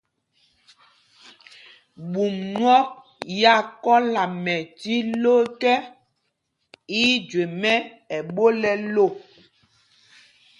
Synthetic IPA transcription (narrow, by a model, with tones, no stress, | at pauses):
ɓu˨mnwɔ˦ | ja˦˨kɔ˦la˨mɛ˨ti˦lo˦kɛ˦ | i˦d͡ʒwe˨mɛ˦ | ɛ˨ɓo˦lɛ˨lo˦˨